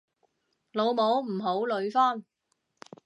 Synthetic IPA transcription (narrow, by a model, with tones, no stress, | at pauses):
lo˨˧wmo˨˥wm̩˨˩ɦo˨˥wlɵ˨˧ɥfaː˥n